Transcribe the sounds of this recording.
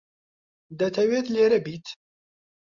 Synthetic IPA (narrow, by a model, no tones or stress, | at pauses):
d̪ɐt̪ʰɐweːt̪leːɾɐbiːt̪ʰ